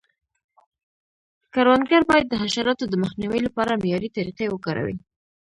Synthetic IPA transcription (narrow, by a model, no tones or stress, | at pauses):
kaɾwand̪ɡaɾbɑjad̪ːəɦaʃaɾɑt̪od̪əməxniwəjlapɑɾamijɑɾit̪aɾiqewəkɑɾa̰wḭ